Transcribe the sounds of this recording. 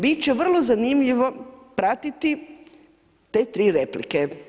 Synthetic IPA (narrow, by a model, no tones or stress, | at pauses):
bit̪t͡ʃeʋər̩lˠozanimʎiʋo̞pɾat̪it̪i | t̪et̪ɾiːɾeplḭke